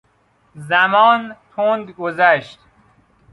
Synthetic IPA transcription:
zæmɒːnt̪ʰond̪ɡozæʃt̪

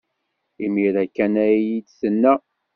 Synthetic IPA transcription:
imiɾækːænæjidθənːæ

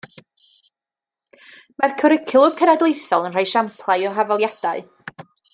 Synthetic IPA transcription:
markʰəɾɪkʰɪlˠʊrkʰənadlˠejθɔlˠənr̥ajʃampʰlˠajɔɦavalˠjad̥aɨ

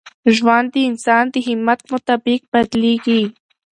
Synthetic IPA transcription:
ʒwant̪iːnsant̪ixɪmat̪̚mot̪apik̚pat̪liki

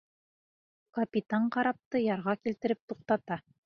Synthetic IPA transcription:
kɐpʲit̪aɴqɑɾɑp̚t̪ɤjɑɾʁɑkilt̪ɘ̆ɾɘp̚t̪uq̚t̪ɑt̪ɑ

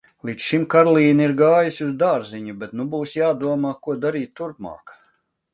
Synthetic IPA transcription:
lˠit̪sʃimkaɾlˠiːniɾɡaːjisuzd̪aːɾziɲubɛt̪nubuːsjaːd̪uɔmaːkuɔd̪aɾiːt̪ːuɾpma̰ːk

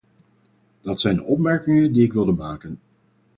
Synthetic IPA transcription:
d̥ɑtsɛjndəɔp̚mɛɹkɪŋəndiɪkʋɪlˠdəmaːkən

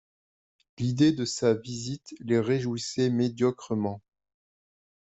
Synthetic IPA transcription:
lid̪ed̪əsavizit̪leʁeʒuisɛmed̪jɔkχəmɑ̃

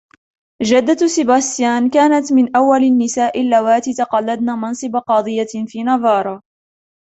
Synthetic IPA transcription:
d͡ʒad̪ːasɪbast̪jaːnkaːnat̪mɪnʔawːalnːɪsaːʔɪlːawaːt̪it̪ɑqɑlːad̪naːmɑnsˤɨbaqɑːd̪ˤɨjːafiːnɑðˤɑːɾˤɑ

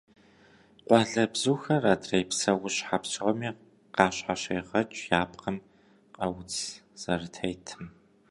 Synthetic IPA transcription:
qʷɑːɮɐbzuːxɐraːdʰrejpsɐwʊɕħapsʰʁɐmiː | qɑːɕħaɕeːʁɐt͡ʃʼjaːpqɐm | qɐwʊt͡sʰ | z̥ɐrtʰɐjtʰɨm

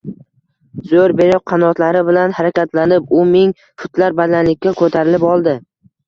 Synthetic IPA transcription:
zoɾbe̞ɾɪp̚qʰɑnɒt̪laɾɪbɪlanhaɾakʲat̪lanɪpʊmɪŋ | fʊt̪ʰlaɾbad̪anlɪkʲːakʰɵt̪ʰaɾɪlɪpɒlˠd̪ɪ

